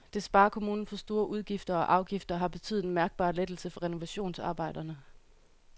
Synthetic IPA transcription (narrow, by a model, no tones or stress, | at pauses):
d̥e̝sb̥ɑ̈ːɐkʰo̝muːnn̩fɒ̽sd̥o̝ːɐʔuð̞ˠɡ̥ifd̥ɐɒ̽ʔɑ̈ʊɡ̥ifd̥ɐɦɑ̈b̥e̝t͡sʰy̰ð̩ˠenmæɐɡ̥̚b̥ɑ̰̈ːled̥l̩səfɒ̽ʁɛno̝ʋæɕo̝̰ːnsɑ̰̈ːb̥ɑ̈ɪ̰d̥ɐnə